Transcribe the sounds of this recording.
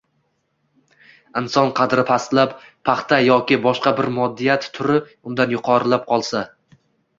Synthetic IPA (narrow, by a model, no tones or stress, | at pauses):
ɪnsɒnqʰɑd̪ɾɪpʰast̪lappʰːɑχt̪ʰajɒkʲɪbɒʃqɑbɪɾmɒd̪ːijat̪ːʰʊɾɪ | ʊnd̪anjʊqʰɒɾɪlap̚qʰɒlˠsa